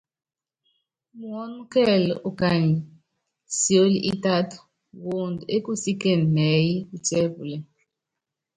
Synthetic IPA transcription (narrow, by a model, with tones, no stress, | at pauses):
mu˨wo˦nu˦kɛ˦˨lɛ̰˨ʔu˨ka˨ɲi˨ | si˨o˦lḭ˦ʔi˦ta˦tɔ̥˨ | wo˨ndu˨e˦ku˦si˦ke˨n˨mɛ˨˦ji˦u˦˨t͡ʃʼe˦bu˨lɛ˨